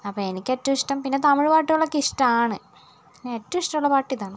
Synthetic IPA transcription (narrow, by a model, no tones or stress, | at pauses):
ɐpːoe̞nikʲːetːɐmiʂʈɐmpinːe̞t̪ɐmɨɻpaːʈːuɭːɐkiʂʈɐmaːɳɨ | pinːeetːɐʋiʂʈɐmuɭːɐpaːʈːiðaːɳɨ